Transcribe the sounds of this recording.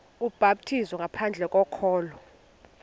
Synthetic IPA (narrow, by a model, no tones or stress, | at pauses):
ub̥ʱaɓ̚tʰizɔŋɡʱapʰand͡ɮʱɛk̬ʼɔkʰɔːlɔ